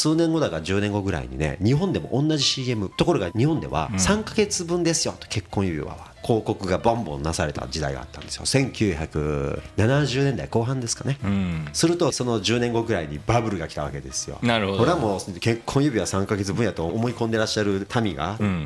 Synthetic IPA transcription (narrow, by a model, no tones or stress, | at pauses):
sɨːnẽ̞ŋɡo̞d̪aɡad͡ʑɨːnẽ̞ŋɡo̞ɡɯ̟ɾa̰ḭɲ̟ḭnḛɲ̟iɦõ̞nd̪e̞moʔõnːaʑiɕiːe̞mɯ̟t̪o̞ko̞ɾo̞ɡaɲ̟ihõnd̪e̞̰βa̰sãŋkaɡe̞t͡sɨbɯ̟̃nd̪e̞sɨ̥jo̞̰t̪o̥ke̞kːõɰ̃jɯbʲḭβa̰βa̰kʰo̞ːko̞kɯ̟ɡabõmbõ̞̰nːasaɾe̞t̪a̰d͡ʑid̪a̰iɡa̰a̰t̪ːãnd̪esɨjosẽ̞ŋkʲɨːçakɯ̟̰nanaʑɨːnend̪aiko̞ːɦãnd̪e̞sɨ̥kane̞sɨɾɯ̟t̪o̞so̞no̞ʑɨːnẽ̞ŋɡo̞ɡɯ̟ɾaiɲ̟ibabɯ̟ɾɯ̟ɡakʲi̥t̪aβa̰ke̞d̪e̞sɨ̥jo̞̰ɾkoɾeamoːke̞kʰːõɰ̃jɯbʲiβasãŋkaɡe̞t͡sɨbɯ̃ɰ̃jat̪oːmo̞ikõ̞nd̪e̞ɾaɕːaɾɯ̟t̪ʰamʲiɡa̰